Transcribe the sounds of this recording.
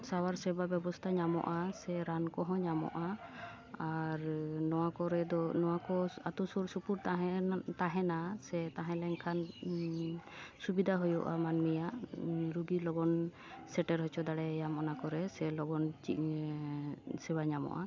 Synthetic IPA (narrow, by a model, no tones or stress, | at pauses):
sawaɾsɛbabjɛbɔst̪ʰaɲamɔ̰ʔasɛɾankɔɦɔ̃ɲamɔ̰ʔa | aɾnɔwakɔɾɛd̪ɔnɔwakɔat̪usuɾsupuɾt̪aɦɛt̪aɦɛnasɛt̪aɦɛ̃lɛɲkʰan | subid̪ʱaɦujɔʔamanmijaʔɾuɡilɔɡɔn | sɛʈɛɾɦɔt͡ʃʰɔd̪aɽɛjamɔnakɔɾɛsɛlɔɡɔnt͡ʃi | sɛbaɲamɔ̰ʔa̰